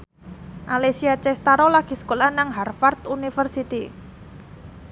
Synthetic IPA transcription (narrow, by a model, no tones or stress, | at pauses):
ʔalesiat͡ʃɛst̪aɾolaɡ̥i̤sə̥kolahnaŋɦarfart̪unifərsit̪i